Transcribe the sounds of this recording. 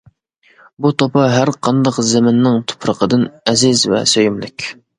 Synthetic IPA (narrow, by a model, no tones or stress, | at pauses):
but̪ʰopʰɑɦæɾqʰɑnd̪ɑqzɛmɪnːɪŋt̪ʰʊ̥pʰɾəqʰəd̪ɨnɛzɪzvɛ̰søjymlɪkʲ